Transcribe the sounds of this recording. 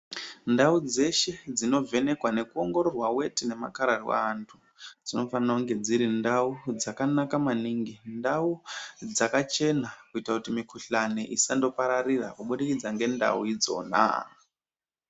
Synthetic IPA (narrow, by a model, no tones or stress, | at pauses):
ndaud͡ze̞ʃe̞d͡zino̞ve̞ne̞kwane̞kuo̞ŋɡo̞ɾo̞rwawe̞tine̞ma̰kaɾarwa̰ntʰu | d͡zino̞fanauŋɡe̞d͡ziɾindaud͡zakanakamaniŋɡindaud͡zakat͡ʃe̞nakuitakutimikuɬaniʔisando̞paɾarira̰kuɓuɗikid͡zaŋɡe̞nda̰wid͡zo̞̰ːna̰